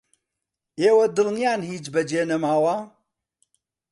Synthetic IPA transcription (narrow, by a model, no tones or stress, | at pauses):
ewɐd̪əlnjanhid͡ʒbɐd͡ʒenəmaːwa